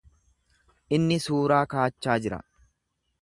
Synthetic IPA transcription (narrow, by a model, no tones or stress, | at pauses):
ʔɪnːɪsuːɾaːkaːt͡ʃːaːd͡ʒɪɾɐ̰